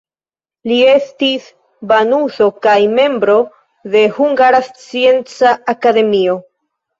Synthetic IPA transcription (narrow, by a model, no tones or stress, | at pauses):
lie̞stis | banuzo̞kajme̞mbɾo̞ | ðe̞huŋɡaɾast͡sie̞nt͡saːkade̞mio̞